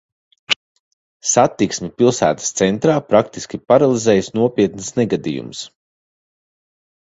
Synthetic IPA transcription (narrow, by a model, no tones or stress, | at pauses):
sat̪ːiksmʲɛpilˠsæ̰ːt̪ə̥st̪sɛnt̪ɾaːpɾakt̪iskʲipaɾalˠizɛːjsnuɔpʲiɛt̪nsnɛɡad̪ḭjṵms